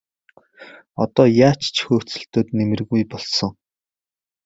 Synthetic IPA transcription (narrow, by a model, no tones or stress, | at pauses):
ɔt̪ɔːjaːt͡ɕt͡ɕʰxɵːt͡sɘ̆ɬt̪oːt̪nemɘ̆rɣujpɔɮsɞ̆ŋ